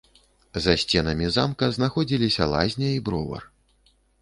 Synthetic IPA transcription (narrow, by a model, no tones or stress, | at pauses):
zɐsʲt͡sʲɛnɐmʲizamkɐznaxɔd͡zʲilʲisʲɐlˠa̰zʲnʲɐibɾɔvɐ̰r